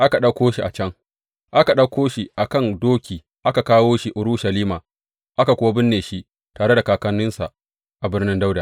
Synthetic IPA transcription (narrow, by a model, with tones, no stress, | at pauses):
ʔa˦ka˨ɗɐ˦kʷoː˦ʃi˨ʔa˨t͡ʃɐ˦ŋ | ʔa˦ka˨ɗɐ˦kʷʰoː˦ʃi˨ʔa˨kɐ˦˨ndoː˦kʲʰiː˨ | ʔa˦ka˨kaː˦woː˦ʃi˦ʔʊ˨ɾʊ˦ʃa˨liː˦maː˨ | ʔa˦ka˨kʷʊ˦wa˦bɪ˦nːeː˨ʃi˦ʔ | taː˨ɽe˦da˨kaː˨kɐ˦nɪ˦nsa˨ | ʔa˨bɪ˦rnɪ˦nda˦wda˨